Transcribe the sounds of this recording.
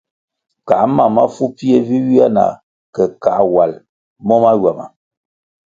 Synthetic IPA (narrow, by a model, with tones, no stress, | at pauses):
ka˨˦ma˨ma˦fu˦pi˦e˦vi˦wi˦a˦na̰˨ | kɛ˨ka˨wa˨l | mɔ˦ma˦ɥa˨ma̰˨